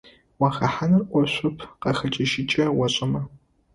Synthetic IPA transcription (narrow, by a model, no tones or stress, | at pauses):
waːxɐħanɐrʔʷɔɕʷʊpʰqɐxɐt͡ʃʼɐʃɪt͡ʃʼɐwɐɕʼɪmɐ